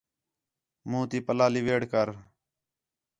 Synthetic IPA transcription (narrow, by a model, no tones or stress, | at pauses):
mũːt̪iːpəlaːliʋeːɽkəɾ